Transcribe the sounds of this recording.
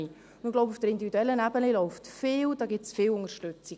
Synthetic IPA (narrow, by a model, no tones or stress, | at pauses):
i | ʊndɪɡlɔʊbufd̥əɾindivid̪uɛlːənæbəlilɔʊftfɪːwd̥ɑːɡɪsfɪːlʊŋəɾʃtøt͡si